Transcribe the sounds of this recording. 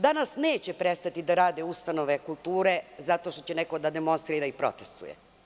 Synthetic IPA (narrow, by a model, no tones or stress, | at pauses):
d̪anasneːt͡ɕepɾest̪at̪id̪aɾaːd̪eust̪ano̞ʋekulˠt̪uːɾe̞zat̪o̞ʃt̪o̞̥t͡ɕenekod̪ad̪emo̞nst̪ɾiɾaipɾo̞̰t̪e̥st̪ṵjḛ